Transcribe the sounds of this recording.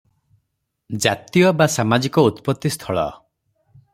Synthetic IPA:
d͡ʒat̪ijɔbasamad͡ʒikɔut̪pɔt̪ːist̪ʰɔɭɔ̰

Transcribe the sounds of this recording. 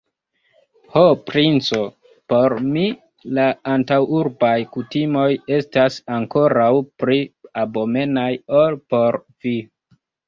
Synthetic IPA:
hopɾint͡so̞ | po̞ɾmi | laːntawuɾbajkutimo̞je̞stasaŋko̞ɾawpɾiabo̞me̞najo̞lpo̞ɾ | vi

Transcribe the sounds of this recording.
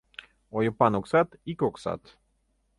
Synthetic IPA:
ojopanoksat̪ikoksa̰t̪

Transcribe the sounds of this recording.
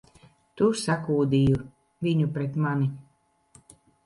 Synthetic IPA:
t̪usakuːd̪iju | viɲupɾɛt̪mani

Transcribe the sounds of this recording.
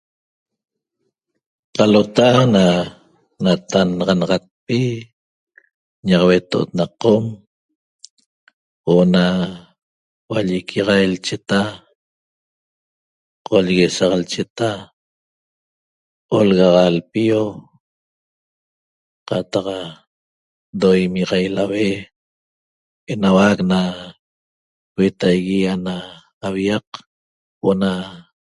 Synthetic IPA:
qalot̪aana | nat̪anʁɑnɑʁɑt̪̚pi | ɲɑʁɑwet̪oʔot̪naqom | woʔna | waʎikʰiʁɑjelt͡ʃet̪a | qʰoʎɣesɑʁalt͡ʃet̪a | olɣɑʁɑlpio | qɑt̪ɑq | d̪ojmiʁɑjlawe | enawakna | wet̪ajɣianaː | wiɑq | oʔna

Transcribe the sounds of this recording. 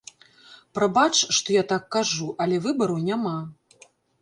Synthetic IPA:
pɾabat͡ʂʂt̪ɔjat̪akːaʐuʔɐlʲɛvɨbɐɾɐwnʲama

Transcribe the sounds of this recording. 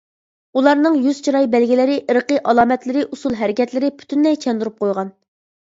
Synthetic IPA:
ulˠɑɾnɨŋjyz̥t͡ʃʰiɾɑjbɛlɡʲilɪɾɪʔəɾqəʔɑlˠɑːmɛt̪lɪɾɪʔusulˠɦæɾɪkʲʰɛt̪lɪɾɪpʰy̥t̪ʰynlɛjt͡ʃʰɛnd̪uɾup̚qʰojʁɑn

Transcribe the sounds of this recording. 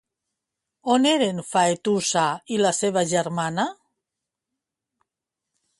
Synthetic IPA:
oneɾenfaet̪usailaseβaʒeɾmana

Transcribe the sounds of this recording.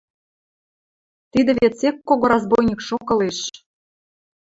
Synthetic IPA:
t̪id̪ɘ̆βet͡sekːoɣoɾɑzbojnʲikʃokɤ̆leʃ

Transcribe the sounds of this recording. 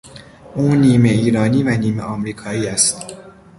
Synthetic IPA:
ʔuːniːme̞iːɾɒːniːvæniːmeʔɒːmɾiːkʰɒːiːæst̪

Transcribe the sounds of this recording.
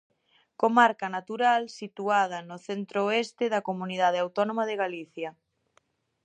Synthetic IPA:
komaɾkɐnat̪uɾalsit̪uað̞ɐnʊθent̪ɾoest̪eðɐkomuniðað̞eawt̪ɔnomaðeɣaliθjɐ

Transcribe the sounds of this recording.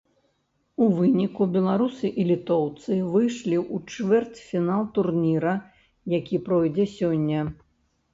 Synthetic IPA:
uvɨnʲikubʲɛlˠaɾusɨʔilʲit̪ɔwt̪sɨvɨjʂlʲiʔut͡ʂvɛrt͡sʲfʲinalˠt̪urnʲiɾɐ | jakʲipɾɔjd͡zʲɛsʲɔnʲːɐ

